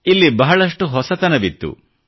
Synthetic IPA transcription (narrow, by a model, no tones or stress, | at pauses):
ilːibɐɦɐɭɐsʈuɦɔsɐt̪ɐnɐbit̪ːṵ